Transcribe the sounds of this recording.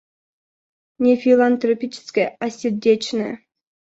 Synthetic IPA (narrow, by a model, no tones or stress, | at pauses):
nʲefʲilˠant̪ɾopʲit͡ɕɪ̥skəjasʲɪrdʲet͡ɕnɨə